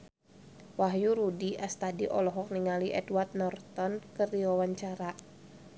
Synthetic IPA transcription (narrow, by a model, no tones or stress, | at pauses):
waɦjuɾudiʔast̪adiʔɔlɔɦɔk̚niŋaliʔɛdwart̪̚nɔrt̪ɔnkərdiwawaɲt͡ʃaɾa